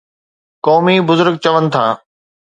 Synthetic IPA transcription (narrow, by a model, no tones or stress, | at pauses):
kɔːmibʊzʊɾɡ̚t͡ɕɐʋənɪ̆t̪ʰaː